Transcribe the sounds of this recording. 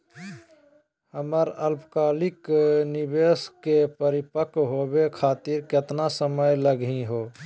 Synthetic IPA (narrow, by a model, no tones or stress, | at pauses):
həməɾəlpkaːlɪknɪbeːskepəɾɪpəkɦobekʰaːt̪iɾket̪nasəməjləɡĩɦoː